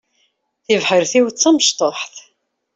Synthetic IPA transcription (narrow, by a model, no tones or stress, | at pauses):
θɪvħəɾθiwt͡sːæməʃt̪ˤoħθ